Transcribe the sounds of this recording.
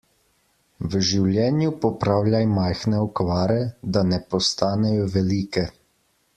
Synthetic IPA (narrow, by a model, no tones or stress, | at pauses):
ʋʒiwlʲjɛːnjupɔpɾaːwlʲjajmajxnɛɔkʋaːɾɛd̪anɛpɔst̪aːnɛjɔʋɛliːkɛ